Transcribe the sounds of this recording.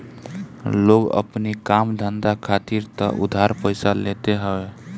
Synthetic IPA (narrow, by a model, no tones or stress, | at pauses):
loɡə̰pnikamd̪ʱənd̪akʰat̪iɾt̪ə̰ʔud̪ʱaɾpəɪjsalet̪eɦəbe